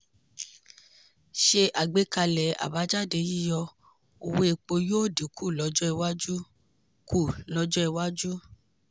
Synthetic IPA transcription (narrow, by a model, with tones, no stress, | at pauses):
ʃe˧ʔa˨ɡ͡be˨˦ka˧lɛ˨a̰˨ba˨˦d͡ʒa˦˨de˧ji˦jɔ˧ | o˧we˦e˧k͡po˧jo˦˨di˨kʰu˦˨lɔ˨˧˦d͡ʒɔ˦ɛ˧wa˦d͡ʒu˦ | ku˦˨lɔ˦d͡ʒɔ˦ɛ˧wa˦d͡ʒu˦